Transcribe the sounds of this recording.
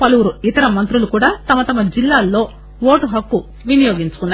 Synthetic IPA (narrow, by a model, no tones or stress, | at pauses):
pɐluʋuɾuit̪ɐɾɐmɐnt̪ɾulukuːɽaːt̪ɐmɐt̪ɐmɐd͡ʒilːaːlːo̞ː | ʋo̞ːʈuɦɐkːu | ʋinijo̞ːɡiɲt͡ʃu̥kunː